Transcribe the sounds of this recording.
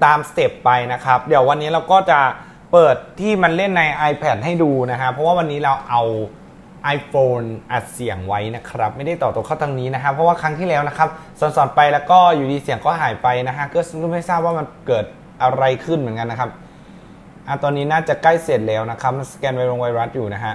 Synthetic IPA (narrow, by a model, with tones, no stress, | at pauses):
t̪aː˧mste˨˦˩pːa˧jna˦˥kʰɾa˦˥p̚di˨˩˦wa˧nːiː˦˥ɾa˧wkɔː˥˩t͡ɕa˨˩ | pɤː˨˩t̪ʰːiː˥˩ma˧nle˥˩nːa˧jʔaː˧jpʰɛː˨˩t̪̚ha˥˩jduː˧na˦˥kʰa˦˥pʰɾɔ˦waː˥˩wa˧nːiː˦˥ɾa˧wʔa˧w | ʔaː˧jfoː˧nʔa˨˩t̪̚si˨˩˦əŋwa˦˥jna˦˥kʰɾa˦˥p̚ma˥˩jda˥˩jt̪ɔː˨˩p̚t̪oː˧kʰa˥˩t̪ʰa˧ŋniː˦˥na˦˥kʰa˦˥pʰːɾɔ˦˥waː˥˩kʰɾa˦˥ŋt̪ʰiː˥˩lɛː˦˥wna˦˥kʰa˦˥p̚sɔ˨˩nsɔ˨˩npa˧jlɛː˦˥wkɔː˥˩juː˨˩diː˧si˨˩əŋkɔː˥˩ɦaː˨˩˦jpa˧jna˦˥kʰa˦˥kɔː˥˩sɯː˥˩ma˥˩jsaː˥˩p̚waː˥˩ma˧nkɤː˨˩t̪̚ | ʔa˧ɾa˧jkʰɯ˥˩nmɯ˩˦ənka˧nːa˦˥kʰa˦˥p̚ | ʔa˧˩t̪ɔː˧nːiː˦˥naː˥˩t͡ɕa˨˩kla˥˩jseː˨˩t̪̚lɛː˦˥wna˦˥kʰɾa˦˥p̚ma˧nskɛː˧nwa˦˥jɾoː˧ŋwa˧jɾa˦˥t̪̚juː˨˩na˦˥kʰa˦˥ʔ